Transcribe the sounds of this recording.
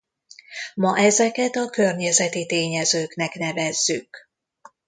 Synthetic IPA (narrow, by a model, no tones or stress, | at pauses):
mɒʔɛzɛkɛt̪ɒkø̞rɲɛzɛt̪it̪eːɲɛzøːknɛknɛvɛzːyk